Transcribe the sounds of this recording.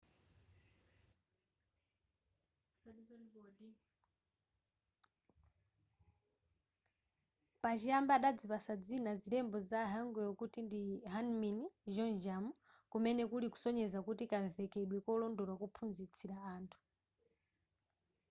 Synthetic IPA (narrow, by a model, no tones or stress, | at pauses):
pat͡ʃiambaɗad͡zipasad͡zinazilɛmbɔzaɦaŋɡɛjɔkutindiɦanminiʒɔnd͡ʒamu | kumɛnɛkuliku̥sɔɲɛzakutikaɱvɛkɛɗwɛkɔlɔndɔlwakupʰunzit͡sʰiɾaaːntʰu̥